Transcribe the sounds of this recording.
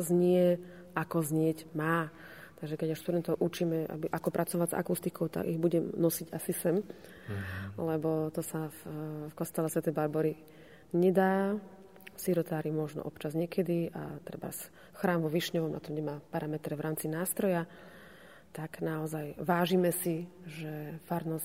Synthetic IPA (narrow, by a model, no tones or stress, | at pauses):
zɲɪɛ | akɔzɲɪɛɟmaː | t̪aɡʒɛkɛɟaʃst̪ud̪ɛnt̪ɔʊʔut͡ʃimɛʔa̰biʔakɔpɾat͡sɔʋaza̰kust̪ikɔʊt̪a̰ɡḭɣbuɟɛmnɔsiɟasisɛm | lɛbɔt̪ɔsaffkɔst̪ɛlɛsʋɛt̪ɛjbaɾbɔɾi | ɲɛd̪aː | siɾɔt̪aːɾimɔʒnɔ̰ʔɔpt͡ʃazɲɪɛkʰɛd̪ia̰t̪ɾɛba̰s | xɾaːmʋɔʋiʃɲɔʋɔmna̰t̪ɔmɲɛmaːpaɾamɛt̪ɾɛʋɾʔaːmt͡sinaːst̪ɾɔja | t̪aɡnaɔzajʋaːʒimɛsiʒɛfaɾnɔs